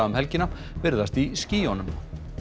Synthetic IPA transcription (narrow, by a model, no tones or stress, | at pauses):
aʏmhɛlcɪna | vɪɾðast̪isciːɔnʏm